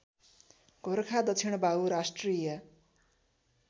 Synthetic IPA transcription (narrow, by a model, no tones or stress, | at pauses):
ɡʱoɾkʰad̪ʌt͡sʰiɽ̃ʌbauɾasʈrijʌ